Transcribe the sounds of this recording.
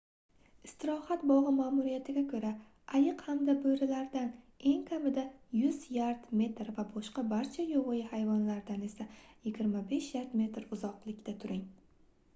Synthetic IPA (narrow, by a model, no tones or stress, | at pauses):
ɪst̪ʰɪɾɒhat̪bɒʁɨmaːmuɾijat̪ʰɪɡʲakʰɵɾa | ajɨqhamd̪abɵjɾɪlaɾd̪an | e̞ŋkʲʰamɪd̪ajʊzjaɾt̪me̞t̪ɾvabɒʃqɑbaɾt͡ʃʰajoʁʊjɪhajvɒnlaɾd̪ane̞sajɪɡʲɪɾmabe̞ʃjaɾt̪me̞t̪ɾʊzɒqlˠɪkʲt̪at̪ʰʊɾɪŋ